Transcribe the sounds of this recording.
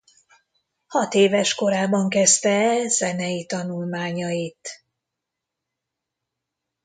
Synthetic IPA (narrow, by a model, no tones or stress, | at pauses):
hɒt̪eːvɛʃko̞ɾaːbɒŋkɛst̪ɛz̥ɛnɛjit̪ɒnulmaːɲɒjit̪